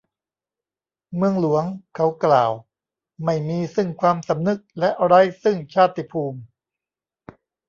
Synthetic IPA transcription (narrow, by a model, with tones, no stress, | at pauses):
mɯ˧əŋlu˩˦əŋkʰa˦˥wklaː˨˩w | ma˥˩jmiː˧sɯ˥˩ŋkʰwaː˧msa˩˦mnɯ˦˥k̚lɛ˦˥ʔa˧ɾa˦˥jsɯ˥˩ŋt͡ɕʰaː˥˩t̪ːi˧˩pʰuː˧m